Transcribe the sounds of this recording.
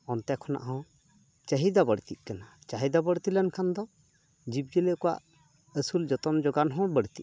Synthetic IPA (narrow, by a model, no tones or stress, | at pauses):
ɔnt̪ɛkʰɔna̰ʔɦɔ̃ | t͡ʃəɦid̪abəɽt̪iʔ̚ˀkanat͡ʃaɦid̪abəɽt̪ilənkʰand̪ɔ | d͡ʒib̚d͡ʒələkɔwa̰ʔ | əsuld͡ʒɔt̪ɔmd͡ʒɔɡanɦɔ̃bəɽt̪iʔ̚